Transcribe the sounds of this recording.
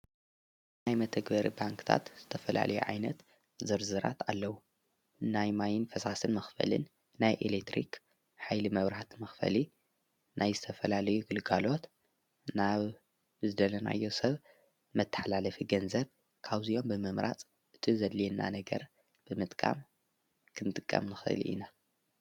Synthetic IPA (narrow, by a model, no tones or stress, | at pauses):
najmɐt̪ʰɐɡbɐɾḭbaŋkʰɨ̥t̪ʰa̰t̪z̥ɨt̪ʰɐfɐla̰lʔɐjuʕa̰jnɐt̪ | zɨɾzɨɾa̰t̪ʰalːɐwu | najmajɪnfɐsasɨnmɐxfɐ̰lɨ̰nː | ajʔḛlekt̪ɾḭk | ħajlimɐβɾaħat̪mɐxfɐ̰li | nʔajzɨt̪ʰɐfɐlalɐjuɡɨlɡalo̞t̪ | naβ | zɨd̪ɐlɐna̰jːo̞sɐβ | mɨt̪ʰːɐ̥ħalalɐfiɡɐnzɐβ | kʰaβzio̞mbɨmɨmɾa̰t͡sʼ | ʔɨt̪ʰizɐd̪lenːa̰nɐɡɐ̰ɾ | b̥ɨmɨt̪ʼkʼa̰m | kʰɨnt̪ʼɨkʼːɐ̰mnɨxɨ̰lʔḭna